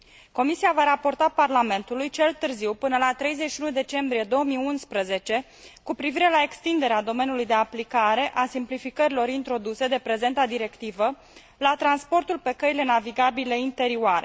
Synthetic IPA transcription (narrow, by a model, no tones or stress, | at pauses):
ko̞misiavaɾapo̞rt̪aparlame̞nt̪ulujt͡ʃe̞lt̪ɨrziwpɨnəlat̪ɾe̞jzet͡ʃʃiunud̪e̞t͡ʃe̞mbɾije̞d̪o̞wəmiunspɾəze̞t͡ʃe̞ | kupɾiviɾe̞lae̞kst̪ind̪e̞ɾead̪o̞me̞nʲjulujd̪e̞aplikaɾe̞ʔasimplifikəɾilo̞ɾint̪ɾo̞d̪use̞d̪e̞pɾe̞ze̞nt̪ad̪iɾe̞kt̪ivə | lat̪ɾanspo̞rt̪ulpe̞kəile̞naviɡabileint̪e̞ɾiuaɾe